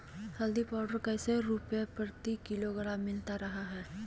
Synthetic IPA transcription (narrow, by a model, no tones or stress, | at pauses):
həld̪ipaːwɖəɾkəjseɾupjepəɾt̪ikɪloɡəɽamːɪlt̪aɾəɦaɦɛː